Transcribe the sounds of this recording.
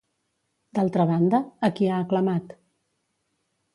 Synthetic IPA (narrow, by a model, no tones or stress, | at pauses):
d̪alˠt̪ɾəβ̞and̪əːkiaːkləmat̪